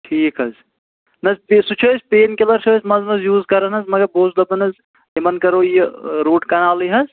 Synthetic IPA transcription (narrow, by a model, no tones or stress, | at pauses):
ʈʰiːkɦɐz | nɐzpisut͡ʃʰosʲpeːnkelɐɾt͡ʃʰosmɐznɐzjuːzkɐɾɐnɐzmɐɡɐɾboːzd̪ɐbɐnɐz | imɐnkɐɾojiɾuːʈkɐnaːliɦɐz